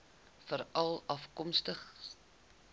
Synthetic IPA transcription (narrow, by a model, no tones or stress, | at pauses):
fəɾɐlˠɐfkɔmstəχ